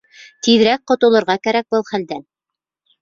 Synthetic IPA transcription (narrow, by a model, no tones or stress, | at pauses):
t̪ið̆ɾæk̚qŏt̪ŏlˠɤ̆ɾʁɑkæɾæk̚bɤlˠχæld̪æn